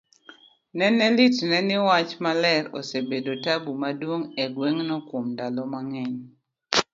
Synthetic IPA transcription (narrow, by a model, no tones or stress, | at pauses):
nɛnɛlitnɛnɪwat͡ʃmalɛɾɔ̰sebedotabumadwoŋɛɡweŋnɔkwomdalɔmaŋɛɲ